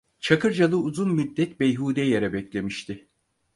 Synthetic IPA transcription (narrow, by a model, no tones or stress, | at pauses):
t͡ʃʰakʰɯɾd͡ʒalˠɯuzunmid̪ːɛt̪bejɦuːd̪ɛjeɾɛbɛclʲe̞miʃt̪ʰɪ